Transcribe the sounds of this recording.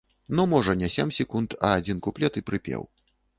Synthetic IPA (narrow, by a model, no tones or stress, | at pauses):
nɔmɔʐɐnʲɛsʲɛmʲsʲɛkunt̪ʰɐːd͡zʲinkuplʲɛt̪ɨpɾɨpʲɛ̰w